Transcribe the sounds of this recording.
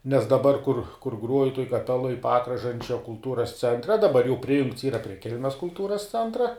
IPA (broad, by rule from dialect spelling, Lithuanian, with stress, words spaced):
nʲɛs dɐˈbɐr kʊr kʊr ˈɡruɔjʊ tuɔj kɐˈpʲæːlˠoːj ˈpɑːkrɐʒɐnʲt͡ʃʲɛ kʊlˠˈtuːrɐs ˈt͡sʲɛnʲtʲrʲɛ dɐˈbɐr jɛʊ ˈpʲrʲɪjʊŋkts ˈiːrɐ pʲrʲiɛ ˈkʲɛlʲmʲɛs kʊlˠˈtuːrɐs ˈt͡sʲɛntrɐ